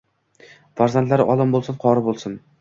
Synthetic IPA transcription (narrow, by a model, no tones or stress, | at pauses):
faɾzant̪laɾɪʔɒlˠɪmbolˠsɪnqʰɒɾɪbolˠsɪn